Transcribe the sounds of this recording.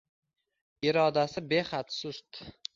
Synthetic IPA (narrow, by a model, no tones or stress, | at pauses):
ɪɾɒd̪asɪbe̞χat̪sʊst̪